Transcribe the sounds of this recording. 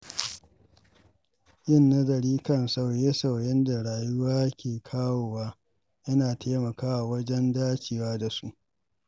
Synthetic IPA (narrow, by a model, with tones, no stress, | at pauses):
jɪ˦˨nːa˦dɐ˨ɾiː˦kɐ˦˨nsa˦˨wje˦sa˨wjɛ˦nda˨ɽaː˨jʊ˦waː˦kʲeː˨kʰaː˦woː˨waː˦ | ʔɐ˦naː˨tʰeː˦mɐ˨kaː˦wa˨wɐ˦d͡ʒɛ˦ndaː˦t͡ʃiː˨waː˦da˨su˦ʔ